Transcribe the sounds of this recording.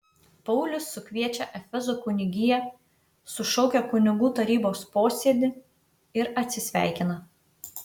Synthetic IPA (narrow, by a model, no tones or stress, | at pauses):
pɐʊlʲʊsːʊkʲʋʲiɛt͡ʃʲɛʔɛfʲɛzukʊnʲɪɡʲɪjɛ | sʊʃɔʊkʲɛkʊnʲɪɡuːt̪ɐɾʲiːboːspoːsʲed̪ʲɪ | ɪɾɐt̪ʲsʲɪsʲʋʲæ̰ˑɪkʲɪnɐ